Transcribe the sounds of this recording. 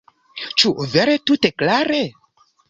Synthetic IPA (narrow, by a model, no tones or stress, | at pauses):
t͡ʃuveɾetuteklaɾe